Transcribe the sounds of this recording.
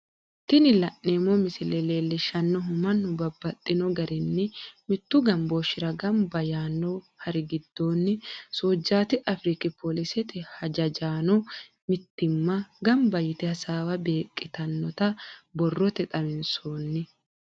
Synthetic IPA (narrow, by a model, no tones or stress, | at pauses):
t̪ɪnɪlɐʔːeːmːɔmɪsɪleleːlːɛʃɐnːɔmɐnːʊbɐbːɐt̪ʼːɪnɔɡɐɾɪnːɪmɪt̪ːʊɡɐmboːʃɪɾɐɡɐmbɐjaːnːɔ | hɐɾɪɡɪd̪ːo̞ːnːɪsoːd͡ʒːaːt̪ɪʔɐfɾikɪpolɪsɛt̪ɪhɐd͡ʒɐd͡ʒaːnɔ | mɪt̪ːɪmːɐɡɐmbɐjɪt̪ɛhɐsaːwɐbeːkʼːɪt̪ɐnːɔt̪ɐbɔrːɔt̪ɛt̪ʼɐmɪnsoːnːɪ